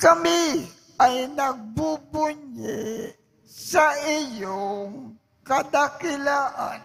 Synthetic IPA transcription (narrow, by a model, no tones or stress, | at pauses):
kɐmɪ | ajnɐɡ̚bubʊɲɪ | sɐʔɪjoŋ | kɐd̪akɪlaːʔa̰n